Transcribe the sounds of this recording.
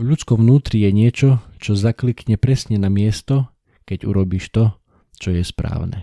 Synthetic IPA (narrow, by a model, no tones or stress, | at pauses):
ʎut͡skɔʋnuːt̪ɾijɛɲɪɛt͡ʃɔt͡ʃɔzaklikɲɛpɾɛsɲɛnamɪɛst̪ɔ | kɛɟṵɾɔbiːʃt̪ɔ | t͡ʃɔjɛspɾa̰ːʊnɛ̰